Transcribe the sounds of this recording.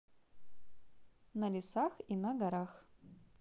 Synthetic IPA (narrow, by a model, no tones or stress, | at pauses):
nɐlʲisaxinɐɡaɾax